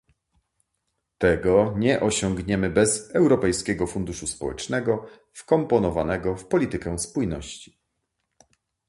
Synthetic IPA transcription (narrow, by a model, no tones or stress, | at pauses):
t̪ɛɡɔɲɛʔɔɕɔŋɡɲɛmɘbɛzɛwɾɔpɛjskʲɛɡɔfund̪uʂuspɔwɛ̰t͡ʂnɛɡɔ | fkɔmpɔnɔvanɛɡɔfpɔlʲit̪ɘkɛspujnɔɕt͡ɕi̥